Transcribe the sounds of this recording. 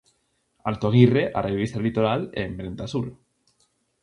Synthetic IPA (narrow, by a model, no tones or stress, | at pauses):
alt̪oɣireʔa̰rʔeβ̞ist̪alit̪oɾalembɾent̪asuɾ